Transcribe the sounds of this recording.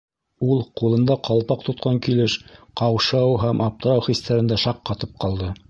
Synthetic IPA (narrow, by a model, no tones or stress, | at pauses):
ulˠqulˠɤ̆nd̪ɑqʰɑlˠpɑq̚t̪ŏt̪̚qʰɑŋkilɘʃqɑwʃɑwɦæmʔɑp̚t̪ɤ̆ɾɑwχist̪æɾɘ̆nd̪æʃɑqːɑt̪ɤp̚qɑlˠd̪ɤ